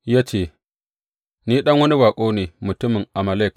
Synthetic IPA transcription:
ja˦t͡ʃeː˨ | niː˦ɗɐ˦ŋwɐ˦ni˦baː˨kʷʼoː˦neː˨mʊ˨tʊ˦mɪ˨ŋʔa˨ma˨le˦˨k

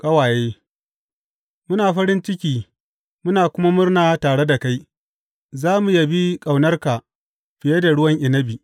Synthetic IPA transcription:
kɐ˦waː˨jeː˦ | mʊ˦naː˨ɸɐ˦ɽɪ˦nt͡ʃɪ˦kʲiː˦ | mʊ˦naː˨kʷʊ˦ma˦mʊ˦rnaː˨taː˨ɽe˦da˨ka˦j | zaː˦mu˨ja˦bi˦kʼa˨wnɐ˦rka˨ | ɸɪ˨je˦da˨ɽʊ˦wɐ˦ŋʔɪ˨nɐ˦bi˨

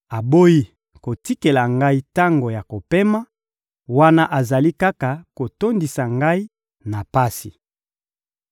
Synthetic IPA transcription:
a˨bo˦ji˦ | ko˨ti˦ke˨la˨ŋɡa˦i˦ta˦ŋɡo˨ja˨ko˨pe˦ma˦ | wa˦na˦ʔa˨za˨li˦ka˦ka˨ko˨to˦ndi˨sa˨ŋɡa˦i˦ | na˨pa˦si˨

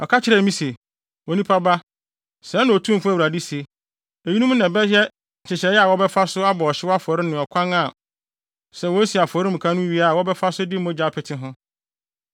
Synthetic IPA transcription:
ɔ˨kʰa˦t͡ɕʰɪ˦ɾɛ˦˨mĩ˦se˨ | wɔ˨nĩ˦pʰa˦ba˦ | sɛ˨˦nʊ̃˨o˨tʰũ˦m˨fʊ˦æ˦˨u˨ɾa˨di˦se˨ | e˨ji˦nũ˦m˦nã˨bɛ˦jɛ˦˨ | t͡ɕʰɪ˨t͡ɕɛ˨˦ɛ˦a˨wɔ˦bɛ˦fa˦sʊ˦a˦bɔ˨ɔ˨ɕɪ˦wɔ˦a˦fʊ˨ɔ˨ɾɪ˦nʊ̃˨ɔ˨kʷʰã˦ŋa˨ | sɛ˨wɔ˦si˨a˨fɔ˨ɾɪ˦m̩̃˨kʰã˦nʊ̃˦ɥi˦a˦˨wɔ˦bɛ˦fa˦sʊ˦dɪ˦m˦ʊ̃˦d͡ʑa˨˦˨pʰɪ˨tʰɪ˦ɦʊ̃˦

